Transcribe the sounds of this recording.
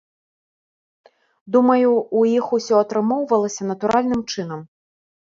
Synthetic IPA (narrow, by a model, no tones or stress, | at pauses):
d̪umɐjuːjixusʲɔɐt̪ɾɨmɔwvɐlˠɐsʲɐnɐt̪uɾʔalʲnɨmt͡ʂɨn̪ɐm